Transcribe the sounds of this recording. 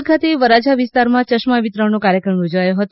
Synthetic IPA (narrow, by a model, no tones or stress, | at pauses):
kʰat̪eʋəɾad͡ʒaʋɪst̪aɾmãt͡ʃəʃmaʋit̪ɾənokaɾjəkɾəmjod͡ʒʋajõɦət̪